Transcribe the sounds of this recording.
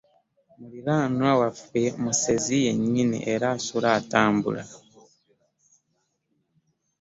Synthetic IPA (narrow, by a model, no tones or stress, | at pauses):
mulilaːnwawafwemuse̞zije̞ɲːinḭʔeɾaːsulaːtaːmbṵla